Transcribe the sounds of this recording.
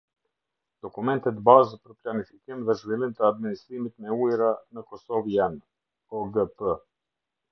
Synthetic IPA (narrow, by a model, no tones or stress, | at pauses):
d̪̥ɔkumɛnt̪ɛt̪bazpəɾplanifi̥kimðɛʒvilˠimt̪əad̪̚minist̪ɾimit̪mɛujɾanəkɔsɔvjan | ɔɡəpə